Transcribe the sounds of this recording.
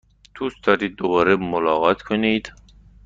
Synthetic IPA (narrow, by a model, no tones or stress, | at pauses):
t̪ʰust̪ʰɒːɾiːd̪̚ːobɒːɾemolɒːɣɒt̪ʰkʰoniːd̪̥